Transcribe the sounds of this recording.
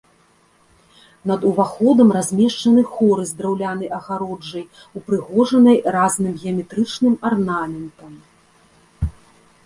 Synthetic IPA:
nɐd̪uvaxɔd̪ɐmrazʲmʲɛʂt͡ʂɐnɨxɔɾɨzd̪ɾawlʲanɐjʔɐɣaɾɔd͡ʐːɐj | upɾɨɣɔʐɐnɐjraznɨmɣʲɛɐmʲɛt̪ɾɨt͡ʂnɨmarnamʲɛnt̪ɐm

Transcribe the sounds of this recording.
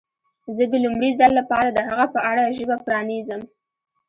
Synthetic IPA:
zəd̪əlumɽizalːapɑɾad̪əɦaɣapəʔaɽaʒəbapɾɑnezəm

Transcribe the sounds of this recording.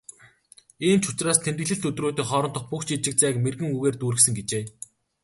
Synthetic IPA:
iːmt͡ɕʰʊ̥t͡ɕraːst̪ʰent̪ɘ̆ɮɘ̆ɬt̪ɵt̪roːt̪iːχɔːɾɞ̆nt̪ʰɞ̆χpukt͡ɕit͡ɕɪ̆k̚t͡sæːkmerɣɘ̆ŋuɣeːrt̪uːɾɘ̆ksɘ̆ŋɡet͡ɕeː

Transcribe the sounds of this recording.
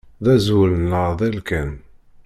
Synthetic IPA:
ðæzwulənləɾˤðˤilkæn

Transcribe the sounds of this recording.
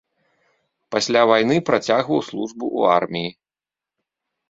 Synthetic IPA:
pasʲlʲavajnɨpɾat͡sʲaɣvɐwslˠuʐbuʔṵa̰rmʲiji

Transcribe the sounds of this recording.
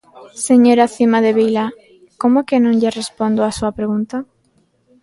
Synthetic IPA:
seɲoɾaθimaðeβijla | komokenõŋʎerespond̪oasuɐpɾeɣunt̪a

